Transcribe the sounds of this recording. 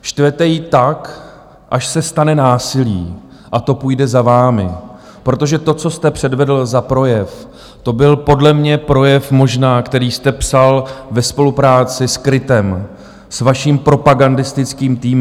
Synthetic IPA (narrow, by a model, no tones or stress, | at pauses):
ʃt̪vɛt̪ɛjit̪ak | ʔaʃsɛst̪anɛnaːsɪlḭː | ʔat̪o̞puːjdɛzavaːmɪ | pɾo̞t̪o̞ʒɛt̪o̞t͡so̞st̪ɛpr̝̥ɛdvɛdl̩zapɾo̞jɛf | t̪o̞bɪlpo̞dlɛmɲɛpɾo̞jɛfmo̞ʒnaːkt̪ɛɾiːst̪ɛpsalvɛspo̞lupɾaːt͡sɪskɾɪt̪ɛm | svaʃiːmpɾo̞paɡandɪst̪ɪt͡skiːmt̪iːm